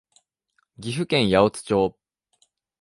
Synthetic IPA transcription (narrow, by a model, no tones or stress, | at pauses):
ɡʲiɸɯ̟kẽ̞ɰ̃jaot͡sɨ̥t͡ɕoː